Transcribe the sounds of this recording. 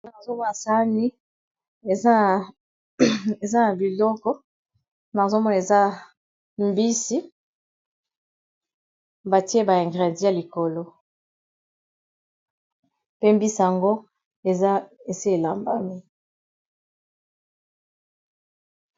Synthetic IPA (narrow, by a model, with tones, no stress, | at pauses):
na˦a˨zo˦mɔ˦na˨sa˦ni˦ | e˨za˦˨ | e˨za˦na˨bi˨lɔ˦kɔ˦ | na˨zo˦mɔ˦na˨e˨za˦ | m˦bi˦si˦ | ba˨ti˦e˦ba˨ɛ̃˨ŋɡʁɛ˨di˦ja˨li˨ko˨lo˦ | pe˦mbi˦si˨ja˨ŋɡo˦ | e˨a˦e˨se˦e˨la˨mba˦mi˦